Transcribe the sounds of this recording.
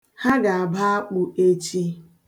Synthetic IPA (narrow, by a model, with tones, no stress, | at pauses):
ha˦ɡa˨a˨ba˦a˦k͡pu˦e˦t͡ʃi˦